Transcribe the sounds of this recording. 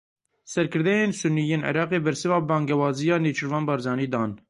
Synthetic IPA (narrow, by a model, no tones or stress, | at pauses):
sɛɾkʰɨɾd̪ɛjeːnsʊnːijeːnʕɛ̰ɾɑːqeːbɛɾsɨvɑːbɑːŋɡɛwɑːzijɑːneːt͡ʃʰɨɾvɑːnbɑːɾzɑːniːd̪ɑːn